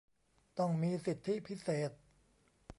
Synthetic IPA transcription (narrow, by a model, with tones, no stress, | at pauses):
t̪ɔ˥˩ŋmiː˧si˨˩t̪ʰːi˦˥pʰi˦˥seː˨˩t̪̚